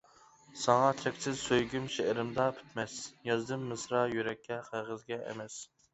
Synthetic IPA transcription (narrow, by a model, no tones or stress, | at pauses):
sɑŋɑt̪ʰɛkʲsɪzsøjɡʲymʃeʔɾɪmd̪ɑpʰy̥t̪mɛsjɑzd̪ɨmːɨsɾɑjyɾɛkʲːɛqʰæʁəzɡʲɛɛ̰mɛs